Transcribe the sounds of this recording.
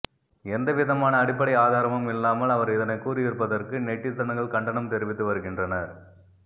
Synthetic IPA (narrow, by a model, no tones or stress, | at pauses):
ɛnd̪ɐʋɪðɐmaːnɐːɽɪpːɐɽɐɪjaːðaːɾɐmɯmɪlːaːmɐlɐʋɐɾɪðɐnɐɪkːuːɾɪjɪɾpːɐðɐrkɯnɛʈːɪt̪ːɐnɐŋɡɐɭkɐɳɖɐɳɐmt̪ɛɾɪʋɪt̪ːɯʋɐɾɯɣɪndrɐnɐɾ